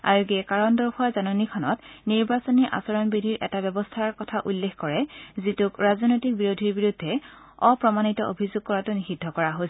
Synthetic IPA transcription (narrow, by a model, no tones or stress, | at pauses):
a̰ɹuɡɛkaɹɔndɔɹkʰɔazanɔnikʰɔnɔtniɹbasɔniʔa̰sɔɹɔnbidʱiɹʔɛtabɛbɔstʰaɹkɔtʰaʔulːexʰkɔɹɛzitʊkɹazɔnojtik̚biɹodʱiɹbiɹudʱːɛ | ɔpɹɔmanitɔʔo̰bʱizʊɡ̚kːɔɹatʊnixidʱːɔkɔɹaɦo